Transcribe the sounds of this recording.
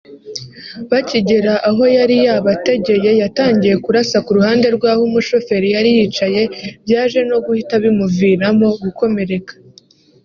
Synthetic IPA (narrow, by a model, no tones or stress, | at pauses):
βaciɟe̞ɾaʔaɦo̞jaɾijaβate̞ɟe̞je̞jataːɲɟije̞kuɾasakuɾuhaːnde̞ɾɡwaːhumuʃo̞fe̞ɾijaɾijit͡ʃaje̞bjaːʒe̞no̞ɡuhitaβimuviɾamo̞ɡuko̞me̞ɾe̞kḁ